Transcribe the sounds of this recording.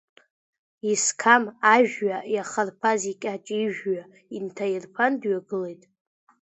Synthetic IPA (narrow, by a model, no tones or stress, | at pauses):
iskʰamaʒᶣɥajaχarpʰazikʲʼat͡ʃʼiʒᶣɥa | intʰajɪrpʰandɥaɡɨlejtʼ